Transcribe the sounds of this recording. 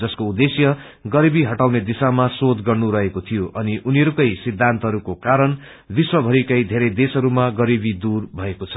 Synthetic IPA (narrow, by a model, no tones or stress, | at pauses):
d͡zʌskoud̪esjʌ | ɡʌɾibiɦʌʈawned̪isamasod̪ɡʌrnuɾʌɦekot̪ʰijoʔʌniʔuniʌɾukʌjsid̪ʱːant̪ʌɦʌɾukokaɾʌn | biswʌbʱʌɾikʌjd̪ʱeɾʌjd̪esʌɾumaɡʌɾibid̪urbʱʌekot͡sʰʌ̥